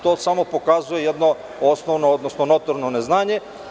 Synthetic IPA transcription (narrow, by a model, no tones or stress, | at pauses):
t̪osamopokazujejɛd̪no | osnoʋnood̪nosnonot̪oɾnoneznaːɲe